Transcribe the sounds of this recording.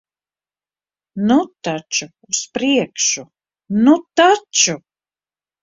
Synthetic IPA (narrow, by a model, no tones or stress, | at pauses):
nut̪at͡ʃuːspɾiɛkʃu | nut̪at͡ʃu